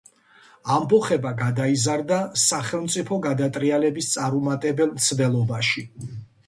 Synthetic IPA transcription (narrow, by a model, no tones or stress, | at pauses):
ambɔχɛbaɡad̪aizaɾd̪asaχɛlˠmt̪sʼipʰɔɡad̪at̪ʼɾialɛbist̪sʼaɾumat̪ʼɛbɛlˠmt̪sʰd̪ɛlˠɔbaʃi